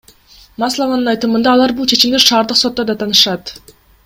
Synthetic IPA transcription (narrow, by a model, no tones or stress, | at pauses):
mɑslˠɑvɑnɯnɑjt̪ɯmɯnd̪ɑːlˠɑɾbulˠt͡ʃʰe̞t͡ʃimd̪eʃɑːɾd̪ɯqso̞t̪ːod̪ɑt̪ʰɑnɯʃɑt̪